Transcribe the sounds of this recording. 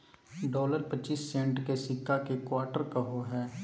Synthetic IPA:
ɖɔːləɾpətːt͡ʃːiːsːɛ̃ɳʈkesɪkːakekwaːɾʈəɾkaɦoɦɛː

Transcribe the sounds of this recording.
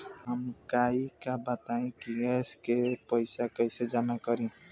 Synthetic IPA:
həmkaikabət̪aĩkiɡɛskepəɪsakəɪsed͡ʒamakəɾĩ

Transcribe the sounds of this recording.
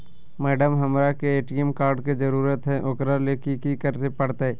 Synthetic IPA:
mɛːɖəmɦɐmɾakeeːʈiəmkaːɾɖkid͡ʒɐɾuːɾət̪ɦɛ̃ʔʊkɾalekikikəɾt̪epɐɽt̪aɦɛ

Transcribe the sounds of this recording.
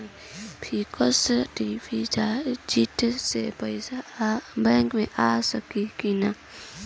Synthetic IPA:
pʰikəsʈibʰid͡ʒad͡ʒiʈsepəɪsabɛ̃ŋkmẽʔasəkikina

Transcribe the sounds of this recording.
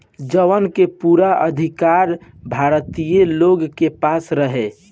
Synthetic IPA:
d͡ʒəʋənkepuɾaʔəd̪ʱikaɾbʱaɾt̪ijəloɡkepasɾəɦe

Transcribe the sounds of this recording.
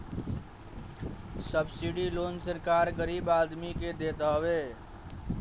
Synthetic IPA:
səbsiɖiloːnsəɾkaːɾɡəɾiːbaːd̪miked̪et̪ɦəʋe

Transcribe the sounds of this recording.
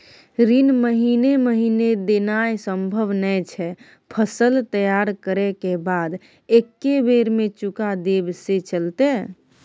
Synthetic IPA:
ɾinməɦineməɦined̪enajsəmbʱəʋnɛjt͡ʃʰɛ | pʰəsəlt̪əjaɾkəɾɛkebad̪ | ekːebeɾmẽt͡ʃukad̪ebset͡ʃəlt̪e

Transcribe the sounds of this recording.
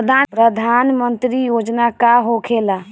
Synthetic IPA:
d̪ʱapɾəd̪ʱanmənt̪ɾijod͡ʒnakaɦokʰela

